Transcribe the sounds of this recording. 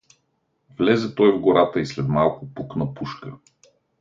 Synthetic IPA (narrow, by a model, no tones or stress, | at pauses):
vlɛzɛt̪ɔjvɡoɾat̪əislɛd̪malˠkʊpuknəpuʃkə